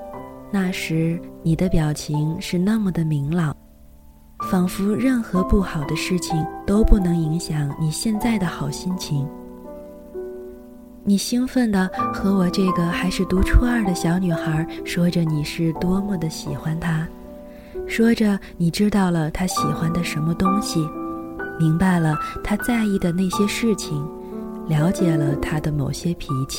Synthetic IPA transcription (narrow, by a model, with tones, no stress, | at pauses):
na˥˩ʂɻ̩˧˥ni˨˩d̪ə˦pjɑ˨˩ʊt͡ɕʰi˧˥ŋʂɻ̩˥˧na˥˩mə˩d̪ə˩mi˧˥ŋlɑ˨˩˦ | fɑ˨˩ŋfu˥ɻə˥˩nxɤ˧˥pu˥˩xɑ˨˩ʊd̪ə˦ʂɻ̩˥˩t͡ɕʰi˩ŋt̪o˥ʊpu˥˩nɤ˧˥ŋi˧˥ŋɕjɑ˨˧˥ŋni˨˩ɕjɛ˥˧nt͡sa˥˩ɪd̪ə˩xɑ˨˩ʊɕi˥nt͡ɕʰi˧˥ŋ | ni˨˩ɕi˥ŋfə˥˩nd̪ə˩xɤ˧˥wɔ˨˩ʈ͡ʂɤ˥˩ɡə˩xa˧˥ɪʂɻ̩˥˩t̪u˧˥ʈ͡ʂʰu˥a˥˩d̪ə˩ɕjɑ˧˥ʊny˨˩xə˞˧˥ʂwɔ˥ʈ͡ʂə˧ni˨˩ʂɻ̩˥˩t̪wɔ˥mu˥˩d̪ə˩ɕḭ˨˩xwa˥nt̪ʰa˥ | ʂwɔ˥ʈ͡ʂə˧ni˨˩ʈ͡ʂɻ̩˥t̪ɑ˥˩ʊlə˩t̪ʰa˥ɕi˨˩xwa˥nd̪ə˨ʂə˧˥nmə˧t̪ʊ˥ŋɕi˨mi˧˥ŋpa˧˩ɪlə˩t̪ʰa˥t͡sa˥˧ɪi˥˩d̪ə˩na˥˩ɪɕjɛ˥ʂɻ̩˥˩t͡ɕʰi˨˩ŋ | ljɑ˧˥ʊt͡ɕjɛ˨˩lə˦t̪ʰa˥d̪ə˨mo˨˩ʊɕjɛ˥pʰi˧˥t͡ɕʰi̥˥˩